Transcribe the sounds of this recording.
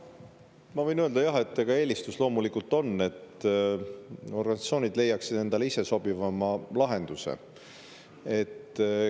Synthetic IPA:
mɑvɤ̞jnøld̪ɑjɑɦe̞t̪ːeɡ̥ɑe̞ːlʲist̪uslo̞ːmulikːult̪ːˑo̞nːe̞t̪ | o̞rɡ̥ɑnissio̞ːnʲid̪le̞jɑksid̪e̞nd̪ɑleise̞so̞b̥ivɑmɑlɑɦe̞nd̪̥usḛ | e̞t̪ː

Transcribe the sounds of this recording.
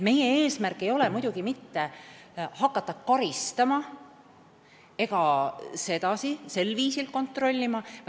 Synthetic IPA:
me̞jee̞ːsmærkːˑe̞jo̞lemujd̥̪uɡ̥imit̪ːe̞ | hɑkːˑɑt̪ˑːɑkɑɾist̪ɑmɑ | e̞ɡɑse̞d̪̥ɑsise̞lːviːsilko̞nt̪ro̞lʲːimɑ

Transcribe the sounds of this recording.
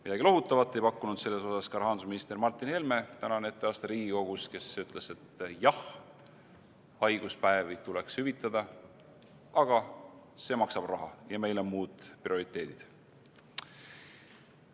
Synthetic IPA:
mid̪ɑɡilo̞ɦut̪ːˑɑvɑt̪ˑːe̞jpɑkːunud̪̥se̞lːe̞so̞sɑskɑɾhɑːnd̪̥usminist̪e̞mɑrt̪ːˑinhe̞lme̞t̪ænɑne̞t̪ːˑeɑːst̪eɾiːɡ̥iko̞ɡ̥uske̞syt̪ːˑle̞se̞t̪ːjɑh | ɑjɡ̥uspæevit̪ule̞kshyvit̪ːˑɑd̪̥ɑ | ɑɡ̥ɑse̞ːmɑksɑb̥rɑɦɑjɑme̞jlomuːd̪̥prio̞ɾit̪ˑːe̞ːd̪̥id̪̥

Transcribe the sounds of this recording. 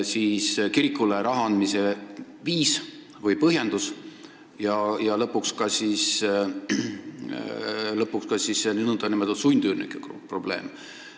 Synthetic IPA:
siːskiɾikːˑuleɾɑɦɑɑnmise | viːs | vɤjpɤɦjend̪̥us | jɑjɑlɤpːukskɑsiːs | lɤpːˑukskɑsiseninund̪ɑnimelt̪ɑsujnd̪ynḭkːˑekpro̞b̥le̞ːm

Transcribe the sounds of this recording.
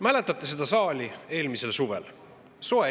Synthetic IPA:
mæle̞t̪ːˑɑt̪ːˑese̞d̪̥ɑsɑːlʲie̞ːlmise̞lsuvḛl | so̞e

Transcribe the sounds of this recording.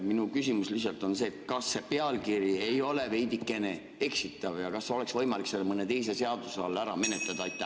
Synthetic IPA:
minukysimuslihsˑɑlt̪ˑo̞nse̞ːt̪kɑsːe̞peɑlkiɾie̞jo̞le̞ve̞jd̪̥ikːˑe̞ne̞ | e̞ksit̪ːˑɑvjɑkɑso̞le̞ksvɤjmɑlikselmɤne̞t̪e̞jse̞se̞ɑd̪̥useɑlːæɾɑme̞net̪lɑd̪̥ɑɑjt̪ːˑæ

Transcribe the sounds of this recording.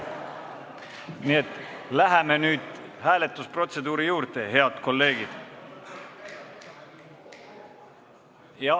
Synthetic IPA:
niet̪ːˑlæɦæme̞nyːd̪̥hæːle̞t̪ːˑuspro̞t̪se̞d̪̥uːɾijuːɾt̪e̞ɦe̞ɑd̪ko̞lːe̞ːɡ̥id̪̥ | jɑ

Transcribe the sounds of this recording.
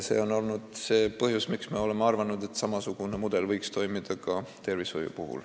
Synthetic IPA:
se̞̰o̞no̞lnud̪̥se̞ːpɤhjusmiksme̞o̞lemeɑrvɑnud̪̥e̞t̪ːˑsɑmɑsuɡ̥unemud̪̥e̞lvɤjkst̪o̞jmid̪̥ɑkɑt̪e̞rvisho̰jṵpuɦṵl

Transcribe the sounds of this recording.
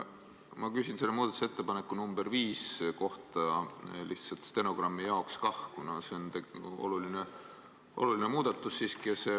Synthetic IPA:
mɑkysʲinse̞lːemuːd̪ɑt̪u̥seet̪ːe̞pɑnekːˑunumb̥erviːsko̞ht̪ɑliht̪sɑlt̪st̪e̞no̞ɡ̥rɑmːijɑokskɑhkunɑseont̪eo̞̰luline | ʔo̞̰lulinemuːd̪̥ɑt̪ːˑusːiːskise

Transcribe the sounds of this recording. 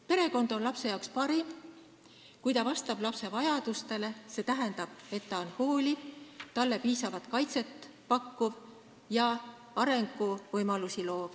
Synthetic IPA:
pe̞ɾe̞ko̞nd̪̥o̞nlɑpse̞jɑokspɑɾim | kujt̪ɑvɑst̪ɑb̥lɑpse̞vɑjɑd̪ust̪e̞le̞se̞ːt̪æɦe̞nd̪ɑb̥̚e̞t̪ːɑo̞nho̞ːlʲit̪ɑlːe̞piːsɑvɑt̪kɑjt̪se̞t̪ | pɑkːuv | jɑ | ɑɾe̞ŋɡ̥uvɤjmɑlusilo̞ːv

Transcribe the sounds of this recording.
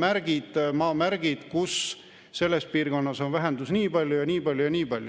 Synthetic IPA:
mæɾɡ̥id̪̥mɑːmæɾɡ̥id̪̥kus | se̞lːe̞spiːrɡ̥o̞nːɑso̞nvæɦe̞nd̪usniːpɑlʲjujɑniːpɑlʲjujɑniːpɑlʲju

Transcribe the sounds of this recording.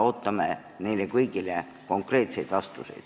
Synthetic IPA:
ot̪ːɑmæ | niːlːekuikilːe | koŋkreːt̪seit̪ʋɑst̪usḛit̪

